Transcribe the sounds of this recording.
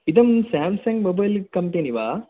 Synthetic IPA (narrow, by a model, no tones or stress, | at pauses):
id̪ɐmsaːmsɐŋɡbɐbɐlkɐmpeːniʋaː